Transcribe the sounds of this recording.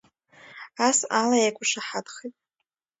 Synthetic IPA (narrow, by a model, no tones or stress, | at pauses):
asalajakʷʼʊʂaħadχetʼ